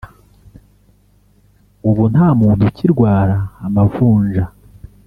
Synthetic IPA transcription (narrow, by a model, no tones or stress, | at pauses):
uβun̥haːmuːntuciɾɡwaːɾaːmavuːnʒa